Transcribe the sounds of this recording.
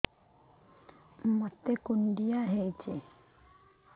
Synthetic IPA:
mət̪ːekuɳɖijaɦejt͡ʃe

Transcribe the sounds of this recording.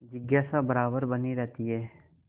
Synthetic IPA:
d͡ʒɪɡjaːsabɐɾaːbəɾbɐniɾɛɦt̪iɦɛː

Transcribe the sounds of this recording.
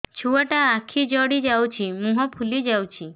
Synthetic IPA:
t͡ʃʰuaʈaːkʰid͡ʒɔɽid͡ʒawt͡ʃʰimũɦɔpʰulid͡ʒawt͡ʃʰi

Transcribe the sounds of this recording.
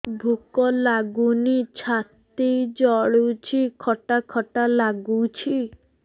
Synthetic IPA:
bʱukɔlaɡunit͡ʃʰat̪ejd͡ʒɔɭut͡ʃʰikʰɔʈakʰɔʈalaɡut͡ʃʰi

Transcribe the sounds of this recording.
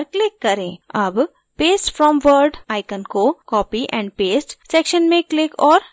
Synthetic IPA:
ɾklɪkːɐɾẽːɐb | peːsʈfɾɔ̃ːmʋəɾɖaːɪkənkokɔːpiʔɛ̃ːɳɖ̚peːsʈsɛkʃənmẽklɪkɔːɾ

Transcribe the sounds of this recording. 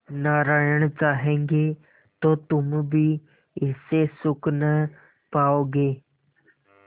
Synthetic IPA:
naɾajəɳ̃ət͡saɦẽŋɡe | t̪ot̪umbʱiː | sesuknə | paoɡe

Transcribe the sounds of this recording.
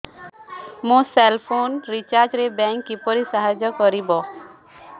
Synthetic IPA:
mũselpʰonɾit͡ʃaɾd͡ʒɾebɛŋkːipɔɾisaɦad͡ʒɔkɔɾibɔ

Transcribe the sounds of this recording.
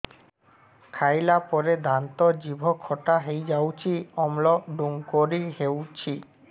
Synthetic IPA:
kʰajlapɔɾed̪ant̪od͡ʑibʱokʰɔʈaɦejd͡ʑawt͡ɕʰiɔmloɖuŋkoɾiɦewt͡ɕʰi

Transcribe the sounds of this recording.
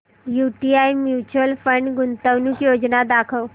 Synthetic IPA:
juʈiajmjut͡ɕəlfəɳɖɡunt̪əʋnukjod͡ʑnad̪akʰəʋ

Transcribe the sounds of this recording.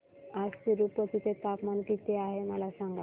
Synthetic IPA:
ad͡zt̪iɾupət̪it̪et̪apmankit̪eaɦeməlasãŋɡa

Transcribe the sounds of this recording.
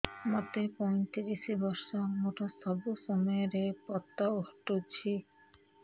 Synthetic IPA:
mɔt̪epɔj̃t̪iɾisibɔɾʃamoʈast̪ʰɔbosɔmɔeɾepɔt̪ːaohʈot͡ɕʰi

